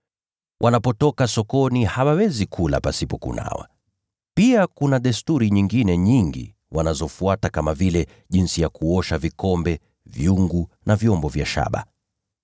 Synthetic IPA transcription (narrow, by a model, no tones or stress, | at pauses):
wʔanapɔtɔkasɔkɔnihawawɛzikʰula̰pasipɔkṵna̰wa̰ | piakunaɗɛstuɾiɲiŋɡinɛɲiŋɡḭ | wanazɔfuatakamavilɛ | ʄinsijakuɔʃavikɔmbɛ | vjuŋɡunavjɔmbɔvja̰ʃa̰ɓa̰